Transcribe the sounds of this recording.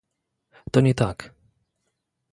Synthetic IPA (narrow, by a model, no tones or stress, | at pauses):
t̪ɔɲʲɛt̪ak